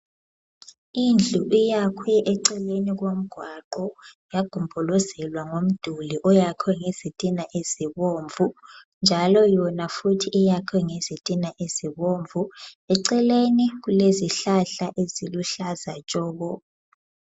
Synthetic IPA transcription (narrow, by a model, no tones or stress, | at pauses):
ind͡ɮʱuʔijakʰwɛʔɛǀɛleniɣwom̩ɡ̥ʱwaǃɔ | jaɡ̥ʱumbʱɔlɔzɛlwaŋom̩d̥ʱuliʔɔjakʰwɛŋez̥itʼinaʔez̥iβoːɱvʱu | nd͡ʒʱalɔjɔnafutʰiʔːjakʰwɛŋezitʼinaʔez̥iβoɱvʱuɛǀɛleniɣ̬uleziɬaɬaʔeziluɬazat͡ʃʼɔːβɔ